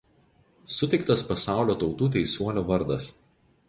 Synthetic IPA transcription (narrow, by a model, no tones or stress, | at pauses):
sʊt̪ʲɛɪkt̪ɐspɐsɑˑʊlʲoːt̪ɒʊt̪uːt̪ʲɛɪsʲuɔlʲoːʋɐɾd̪ɐs